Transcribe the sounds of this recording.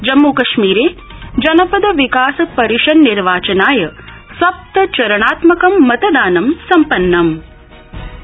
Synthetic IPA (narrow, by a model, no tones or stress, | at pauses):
d͡ʒɐmːukɐʃmiːɾeː | d͡ʒɐnɐpɐd̪ɐʋikaːsɐpɐɾiʃɐnːiɾʋaːt͡ʃɐnaːjɐ | sʋɐp̚t̪ɐt͡ʃɐɾɐɳ̃aːt̪mɐkɐmːɐt̪ɐd̪aːnɐmsɐmpɐnːɐm